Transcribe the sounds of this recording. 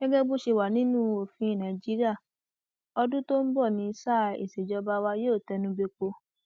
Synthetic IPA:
ɡ̥ɛ˦ɡɛ˦ɡ͡bo˦ʃe˧wa˨nĩ˦nũ˦o˨fĩ˧˦˨nã˨d͡ʒi˨˦ɾi˦a˦˨ | ɔ˧dũ˦to˦m̩˦bɔ˦˨nĩ˧sa˦˨ḛ˨se˨d͡ʒɔ˧ba˦wa˧joː˦˨tɛ˧nũ˧be˧k͡po˧

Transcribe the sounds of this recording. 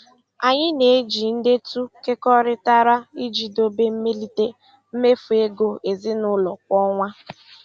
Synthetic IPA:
a˨ɲɪ˦ne˨e˦d͡ʒi˨n̩˦de˦tu˦ke˦kɔ˦ɾɪ˦ta˦ɾa˦i˦d͡ʒi˨do˦be˦m̩˦me˦li˦te˦ | m̩˦me˦fu˨e˦ɡo˨ʔe˨zɪ˦nʊ˦lɔ˨kʷɔ˦ŋʷa˦

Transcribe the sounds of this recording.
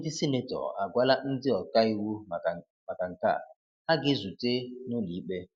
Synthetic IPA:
dɪ˦si˦ne˦tɔ̰˨a̰˨ɡʷa˦la˦n̩˦dɪ˦ɔ˨ta˦i˦wu˦˨ | ma˨ka˨ŋ̩˨ka̰˦˨ | ha˦ɡɪ˦zu˨te˦no˦li˨˦ɓe˦

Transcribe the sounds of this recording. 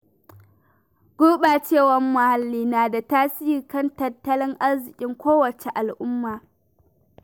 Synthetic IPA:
ɡ̥uː˦ɓaː˨t͡ʃeː˦˨wɐ˨mːʊ˨ha˨lːiː˦naː˨da˨taː˦si˦jɪ˨kɐ˦ntɐ˨tːɐ˦lɪ˦ŋʔa˦rzɪ˨kʲʼɪ˦ŋkʷoː˦wɐ˨t͡ʃe˨ʔa˨lʔʊ˦mːaː˨

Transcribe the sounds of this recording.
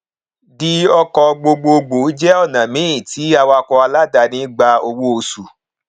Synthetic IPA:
di˦ɔ˧kɔ˧ɡ͡bo˧ɡ͡bo˧ɡ͡bo˨i˦d͡ʒɛ˦ɔ˦˨nã˨mĩ˨˦ĩ˦˨tʰi˨˦a˧wa˧kɔ˧a˧la˦da˧˨nĩ˦ɡ͡ba˧o˧wo˦o˧su˨

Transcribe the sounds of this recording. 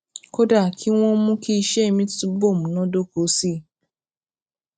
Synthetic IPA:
ko˦da˦˨kʰi˦w̃ɔ̃˦mũ˦ki˦i˧ʃe˦e˦˨mĩ˦tu˦bo˦˨mũ˨nɔ̃˨˦do˦ko˨˦si˦˨

